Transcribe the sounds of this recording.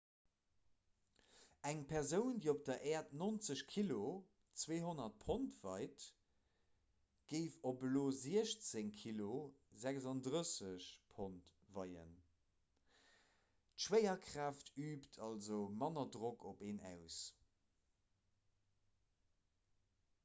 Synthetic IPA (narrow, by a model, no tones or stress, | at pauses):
æŋpʰɛʁzəʊndiːop̚d̥ɐʔɛːɐtnont͡səɕkʰilo | t͡sweːɦonɐt̚pʰontv̥ɑɪt | ɡ̥əɪfobəloːziəɕt͡seŋkʰilozækzɑndʁəsəɕpʰontvɑɪə̰n | tʃwɛɪɐkʰʁ̥aːftʰyːptʰɑlzoʊmɑnɐdʁokʰopeːnæ̰ʊs